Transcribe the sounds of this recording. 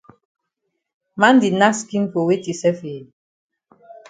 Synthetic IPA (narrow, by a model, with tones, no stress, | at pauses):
ma˦n˦di˨na˦ski˦nko˨we˦ti˨sɛ˦fe˨